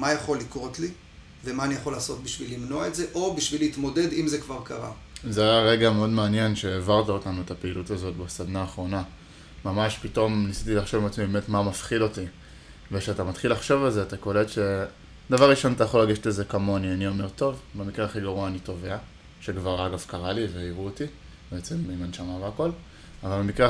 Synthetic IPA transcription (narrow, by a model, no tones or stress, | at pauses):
majaχo̞likʁo̞tli | vemaːnijaχo̞laːso̞t̪̚biʃvilːimnoaetzeʔo̞biʃvileit̪mode̞dimzekvaʁkaʁa̰ | zeajaʁe̞ɡameo̞dmeanje̞nʃe̞ːvaʁtaotanuetapeiːlutazo̞tbesad̪naːχʁo̞na | mamaʃpito̞mnisit̪ilaχʃovimat͡smibeme̞tmamafχilo̞ti | veʃeatamat̪χilaχʃo̞valzeatakole̞dʃe̞ | d̪avaʁʁiʃo̞natajaχo̞laɡeʃtezekamo̞nianio̞me̞ʁt̪o̞vbemikʁeaχiɡaʁuaːnito̞ve̞a | ʃe̞kvaʁaɡavkaʁaliveiʁuoti | beet͡se̞mimanʃamaveako̞l | avalbemikʁe